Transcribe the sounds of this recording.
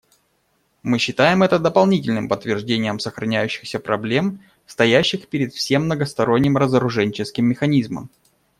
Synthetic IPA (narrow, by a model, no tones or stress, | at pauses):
mɨɕːɪt̪ajɪmɛt̪əd̪əpɐlˠnʲitʲɪlʲnɨmpət̪ːvʲɪrʐdʲenʲɪjəmsəxɾɐnʲæjʉɕːɪ̥xsʲəpɾɐblʲe̞m | fst̪ɐjæɕːɪxpʲɪɾʲɪt̪fsʲe̞mːnəɡəst̪ɐɾo̞nʲːɪmɾəzəɾʊʐɛnʲɪt͡ɕɪskʲɪmːʲɪxɐnʲizmə̰m